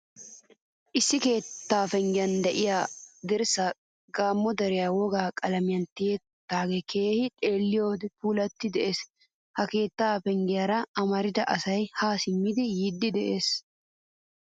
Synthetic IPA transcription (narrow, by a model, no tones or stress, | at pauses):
ʔɪsːɪke̞ːt̪ːaːfɛŋɡɪjɐnd̪ɛʔɪjaːd̪ɛɾsa | ɡaːmːɔd̪ɐɾɪjaːwɔɡaːkʼɐlɐmɪjɐnt̪ɪjɛt̪ːaːɡɛkʰe̞ːhɪt̪ʼe̞ːlːɪjoːd̪ɛpuːlɐt̪ːɪd̪ɛʔe̞ːs | hɐke̞ːt̪ːaːfɛŋɡɪjɐɾɐɐmɐɾɪd̪ɐʔɐsɐjhaːsɪmːɪd̪ɪjid̪ːɪd̪ɛʔeːs